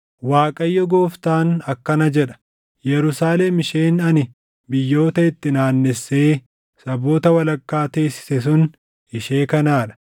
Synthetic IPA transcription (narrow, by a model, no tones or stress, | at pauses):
waːkʼɐjːɔɡoːft̪aːnɐkːɐnɐd͡ʒɛᶑɐ̥ | jɛɾʊsaːle̞ːmɪʃeːnɐnɪ | bɪjːo̞ːt̪ɐɪt̪ːɪnaːnːɛsːeː | sɐbo̞ːt̪ɐwɐlɐkːaːt̪e̞ːsːɪ̥sɛs̬ʊn | ɪʃeːkɐnaːᶑɐ̥